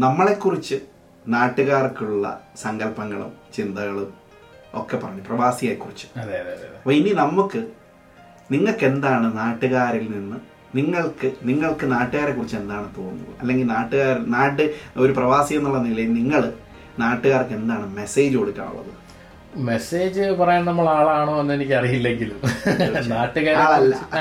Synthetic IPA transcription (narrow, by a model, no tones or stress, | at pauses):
nɐmːɐɭe̞kːurit͡ɕːɨ | naːʈːɨɣaːrkːuɭːɐ̰sɐŋɡɐlpɐŋːɐɭṵmt͡ɕind̪ɐɣɐɭum | o̞̰kːepːɐrɐɲːuprɐʋaːsijaːjkːurit͡ɕːɨ̥ | ɐpːɐininɐmːukːɨ | niŋːɐɭkːe̞nd̪aːɳɨnaːʈːɨɣaːɾilninːɨ | niŋːɐɭkɨniŋːɐɭkɨnaːʈːɨɣaːɾekurit͡ɕːend̪aːɳɨt̪o̞ːnnːṵlɐ̰ɐ̰lːe̞ŋɡilnaːʈːɨɣaːɾilnaːʈːɨo̞ɾuprɐʋaːsijenːuɭːɐnilɐjilniŋːɐɭɨ | naːʈːɨɣaːrkːe̞nd̪aːɳɨme̞se̞ːd͡ʑɨkoɽukʲːa̰ːɳṵɭːɐ̰ðɨ̰ | meseːd͡ʑɨpɐrɐjaːɳnɐmːɐɭaːɭaːɳoːenːenikʲːɐrijilːe̞ŋɡilumnaːʈːɨɣaːɾaːɭɐlːɐ̰